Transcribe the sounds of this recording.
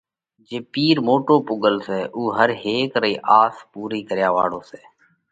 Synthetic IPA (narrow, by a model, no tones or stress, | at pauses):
d͡ʒeːpiːɾmoːʈoːpʊɠəlsɛːʔuːɦəɾɦeːkɾəiːʔaːspuːɾiːkəɾɪjaːʋa̰ːɽoːseː